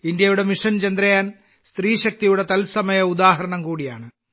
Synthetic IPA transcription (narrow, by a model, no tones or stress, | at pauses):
indjɐjuɽe̞miʂɐnt͡ɕɐnd̪ɾɐjaːn | st̪ɾiːɕɐk̚t̪ijuɽe̞t̪ɐlsɐmɐjɐud̪aːɦɐɾɐɳɐmkuːɽijaːɳɨ